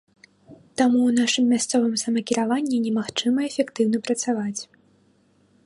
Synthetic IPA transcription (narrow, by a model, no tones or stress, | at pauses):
t̪amuwnaʂɨmːʲast̪sɔvɨmsɐmɐkʲiɾavanʲːɛnʲɛmaxt͡ʂɨmɐɛfʲɛkt̪ɨwnɐpɾɐt̪savat͡sʲ